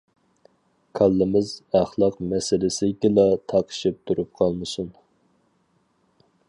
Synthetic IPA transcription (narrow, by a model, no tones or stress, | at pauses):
kʰɑlˠːɪmɪzæχlˠɑqmɛsɪlɪsɪkʲɪlɑt̪ʰɑqʰɨ̥ʃip̚t̪ʰuɾup̚qʰɑlˠmɨsun